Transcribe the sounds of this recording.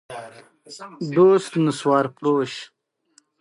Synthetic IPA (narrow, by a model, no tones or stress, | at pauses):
d̪oːst̪nəswɑːɾpɾoːɕ